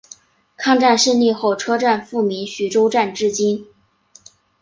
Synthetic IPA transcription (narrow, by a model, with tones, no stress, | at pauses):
kʰɑ˥˧ŋʈ͡ʂa˥˧nʂə˥˧nli˥˧xo˥˩ʊʈ͡ʂʰɤ˥ʈ͡ʂa˥˧nfu˥˩mi˧˥nɕy˨˩ʈ͡ʂo˥ʊʈ͡ʂa˥˧nʈ͡ʂɻ̩˥˩t͡ɕi˥n